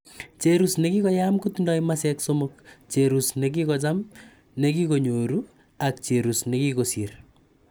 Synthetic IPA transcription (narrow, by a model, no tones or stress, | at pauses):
t͡ʃeɾusnekikɔjamkutundɔjmasɛksomokt͡ʃeɾusnek̬ikɔt͡ʃam | nek̬ikoɲoɾu | ak̚t͡ʃeɾusnekikosir